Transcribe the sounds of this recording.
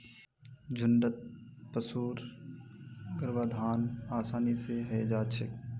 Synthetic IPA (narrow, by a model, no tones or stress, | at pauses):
d͡ʒʱʊɳɖət̪̚pəsuːɾ | ɡəɾʋaːd̪ʱaːnaːsaːniseɦɛed͡ʒaːt͡ʃʰɪk